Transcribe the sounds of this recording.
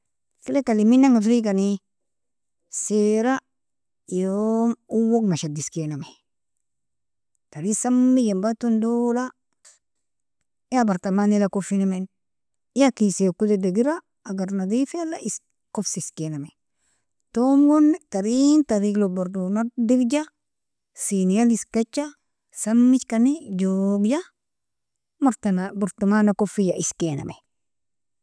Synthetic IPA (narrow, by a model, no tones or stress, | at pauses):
kilekaliminːaŋafɾikani | seɾa | jomuwoɡnaʃadiskename | taɾiksamːiɡembatundola | jabaɾtamanilakofinamen | ijakiseokudedeɡiɾaː | ɡaɾnadifalais | kofsiskename | tomɡuntaɾintaɾiɡloboɾdunadiɡd͡ʒa | sinijaliskat͡ʃːa | samːit͡ʃkanid͡ʒoɡja | mtnabuɾtumanakofijaʔiskena̰mḛ